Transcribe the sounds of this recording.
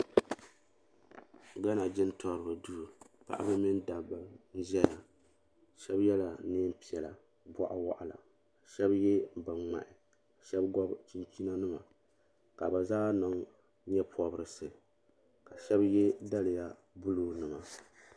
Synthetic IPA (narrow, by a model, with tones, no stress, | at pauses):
ɡa˦na˨d͡ʒɪ˦n˦tʰɔ˦ɾɨ˨bɨ˨du˦ɾu˨ | pa̰˨ʔa̰˦bɨ˦mɪ˦nda˨bɨ˨n̩˦ʒɛ˦ja˨ | ʃɛ˦bjɛ˦la˨˦neː˦m˦pi˦˨ɛ˨la̰˨ | bɔ˦ʔa˦wa̰˦ʔa˨la̰˨ | ʃɛ˦bjɛ˦bɨ˨ŋ͡ma̰˨ʔɪ˨ | ʃɛ˦bɡɔ˦bt͡ʃi˦nt͡ʃi˦na˦nɨ˦ma˨ | ka˨ba˨zaː˦nɨ˨ŋ | ɲɛ˦pʰɔ˦bɨ˦ɾɨ˨sɨ˨ | ka˨ʃɛ˦bjɛ˦da˦lɪ˨ja˦ | bʊ˦luː˦nɨ˨ma˨